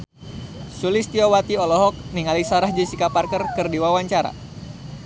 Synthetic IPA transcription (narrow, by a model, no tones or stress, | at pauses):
sulist̪iɔwat̪iɔlɔɦɔk̚niŋalisaɾahd͡ʒisikaparkərkɨrdiwawaɲt͡ʃaɾa̰